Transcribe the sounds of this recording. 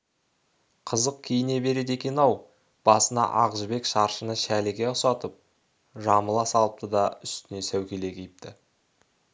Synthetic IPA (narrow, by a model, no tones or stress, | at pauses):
qʰəzəq̚kʲʰijɪne̞be̞ɾe̞d̪e̞kʲe̞nɑw | b̥ɑsənɑ̰ʔɑʁəʒbe̞kʃɑɾʃənəʃælɪɡʲe̞ʊsɑt̪əp̚ | ʒɑməlˠɑsɑlˠəp̚t̪ʰəd̪ɑʏst̪ɪne̞sæwkʲe̞le̞kʲʰejɪp̚t̪ʰɪ